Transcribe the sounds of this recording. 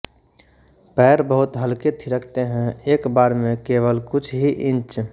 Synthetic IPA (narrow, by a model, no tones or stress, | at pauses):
pɛːɾbəɦʊt̪ɦəlket̪ʰiɾəkʰt̪eɦɛ̃eːkbaːɾmẽkeːʋəlkʊt͡ʃʰɦiʔɪ̃nt͡ʃ